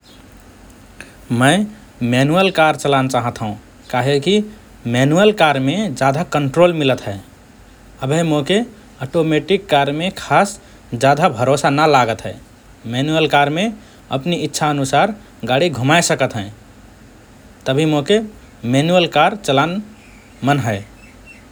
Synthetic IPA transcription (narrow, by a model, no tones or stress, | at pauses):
məɪ | menuəlkaɾt͡ʃəlant͡ʃaɦət̪ɦũ | kaɦeki | mɛnuəlkaɾmed͡ʒad̪ʱakəɳʈɾolmilət̪ɦɛ | əbʱemoke | əʈomeʈikːaɾmekʰas | d͡ʒjad̪ʱabʱəɾosanəlaɡət̪ɦɛ̰ | mɛnuəlkaɾme | ə̰pnitːʃʰaənusaɾ | ɡaɽiɡʱumajsəkət̪ɦɛ̃ | t̪əbʱimoke | mɛnuəlkaɾt͡ʃəlan | mənɦəɪ